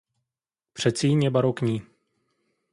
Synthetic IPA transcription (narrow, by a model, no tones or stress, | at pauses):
pr̝̥ɛt̪t͡siːɲjɛbaɾokɲiː